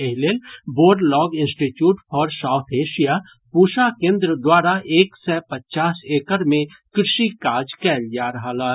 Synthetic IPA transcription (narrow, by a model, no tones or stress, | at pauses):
ɪɦleːlboːɾɖlɔːɡɪ̃nsʈiʈjuːʈfʰɔːɾsaːʊt̪ʰeːʃija | puːʃakẽːnd̪ɾəd̪waːɾaʔeːksɛːpətːt͡ʃaːseːkəɾmẽ | kɾɪʃikaːd͡ʒkɛːljaɾɐɦalaː